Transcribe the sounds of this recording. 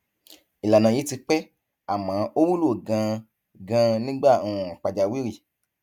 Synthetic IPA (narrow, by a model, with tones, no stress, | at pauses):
i˨la˨nã˨ji˨˦ti˧k͡pɛ˦ | a˨mã˨˦o˦wu˦lo˦˨ɡã˧ | ɡã˧nĩ˦ɡ͡ba˦˨u˨ũ˨a˨k͡pa˨d͡ʒa˧wi˦ɾi˦˨